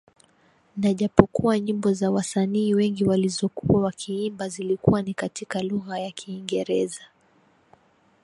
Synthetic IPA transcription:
naʄapɔkuaɲimbɔzawasaniːwɛŋɡiwalizɔkṵwawakʰiimbazilikuwanikatikaluɣajakʰiːŋɡɛɾɛza

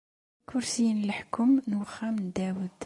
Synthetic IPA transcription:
kʰʊɾsijnəlħkʊmnwxæmnd̪æwəd̪

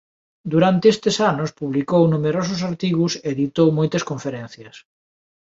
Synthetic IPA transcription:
d̪uɾant̪eest̪esanospuβlikownumeɾos̬ʊsaɾt̪iɣuseːðit̪owmɔjt̪ɐskõɱfeɾen̟θjɐs

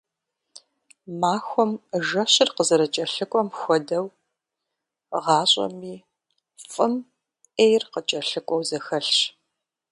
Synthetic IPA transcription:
maːxʷɔmʒɐɕɪrqəzɐɾɐt͡ʃʼɐɬɨkʷʼɔmxʷɔdɐw | ʁɑːɕʼɐ̰miː | fʼɨm | ʔejrqət͡ʃʼɐɬɨkʷʼɔwzɐxɐɬɕ

